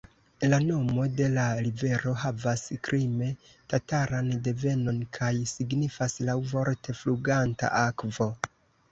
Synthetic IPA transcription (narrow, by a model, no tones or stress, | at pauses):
lano̞mo̞de̞laɾive̞ɾo̞ɦavaskɾime̞ | tataɾande̞ve̞no̞nkʰajsiɡnifaslawvo̞ɾte̞fluɡanta̰ʔakvo̞